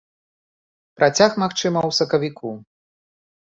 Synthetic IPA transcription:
pɾʔat͡sʲaxmaxt͡ʂɨmɐwsɐkɐvʲikʰu

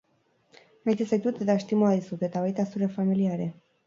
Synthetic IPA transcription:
majt̪iset̪ut̪ed̪aʃt̪imoaɾisut̪et̪avait̪asuɾefamiliaɾe

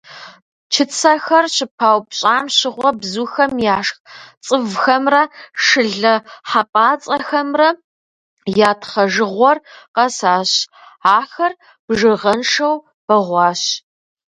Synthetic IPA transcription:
t͡ʃʰɪt͡sʰɐxɐrɕɪpʰaːwpɕʼaːmɕɪʁʷɔbzuːxɐmjaːʂxt͡sʼɨvxɐmrɐʂɨɮɐħapʼaːt͡sʼɐxɐmrɐ | jaːtʰχɐʒɨʁʷɔrqɐsaːɕ | aːxɐr | b̥ʐɨʁɐnʂɐw | b̥ɐʁʷɑːɕ

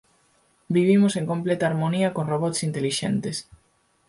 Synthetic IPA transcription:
biβ̞imoseŋkomplɛt̪aːɾmoniɐkoŋroβɔt̪sint̪eliʃɛ̰nt̪es

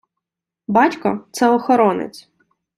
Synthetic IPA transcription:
bɑtʲkɔ̰t̪sɛɔxɔɾɔnɪ̰t͡sʲ

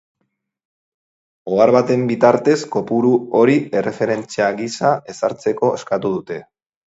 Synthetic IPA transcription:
o̞aɾβat̪e̞mbit̪aɾt̪e̞sko̞puɾuo̞ɾie̞re̞fe̞ɾe̞nt͡siaɣisae̞saɾt͡se̞ko̞eskat̪uð̞ut̪e̞

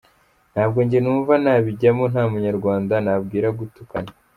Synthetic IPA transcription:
n̥haːb̚ɡo̞ɲɟenuːɱvanaβiɟamon̥haːmuɲaɾɡwaːndanab̚ɡiːɾaɡutukana

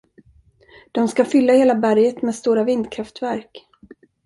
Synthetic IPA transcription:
d̪̥ɔmskafʏlːaheːlabæɾjət̪mɛːd̪st̪uːɾavɪnd̪kʰɾaft̪væɾk

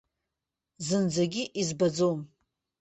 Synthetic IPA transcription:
zɨnd͡zaɡʲiʔizbad͡zom

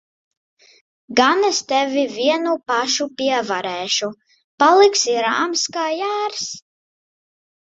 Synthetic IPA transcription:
ɡanɛst̪ɛvʲivʲiɛnupaʃupʲiɛvaɾɛːʃu | palˠiksiɾa̰ːmskaːjæːɾs

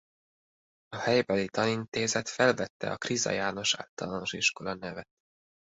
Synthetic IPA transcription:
ɒhɛjbɛlit̪ɒnint̪eːzɛt̪fɛlvɛt̪ːɛ̰ɒkrizɒ̰jaːno̞ʃa̰ːlt̪ɒlano̞ʃiʃko̞lɒnɛvɛt̪̚

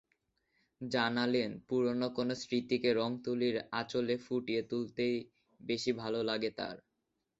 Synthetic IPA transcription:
d͡ʑanalenpuɾonokonosɾit̪ikeɾɔŋt̪uliɾa̰t͡ɕolefuʈiet̪ult̪ej | beʃibʱalolaɡet̪a̰ɾ

